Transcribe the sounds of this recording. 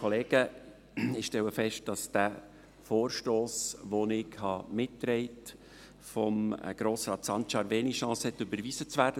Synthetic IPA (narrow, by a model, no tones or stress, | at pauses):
kʰɔleːɡ̥ə | ɪʃtɛlwəfɛʃt̚d̥ɑsd̥æ | foːɾʃtoːsʋonɪɡhɑmɪtːɾɛɪt | fɔm̰ɡ̥ɾoːsɾɑːt̪sɑntʃɑɾveːniʃɑ̃ːshɛt̪ːɵbəɾviːzət͡sʋæːɾd̥ə